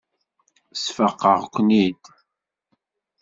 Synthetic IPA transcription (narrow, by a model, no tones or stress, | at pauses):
sfəqːəʁkʷːənid̪